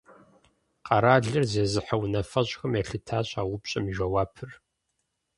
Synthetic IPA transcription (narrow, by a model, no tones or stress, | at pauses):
qɐɾaːɮɨrzeːzɨħɐwnɐfɐɕʼxɐmjɛɬɨtʰaːɕʼaːwʊpɕʼɐmʒʷɐwaːpʰɨr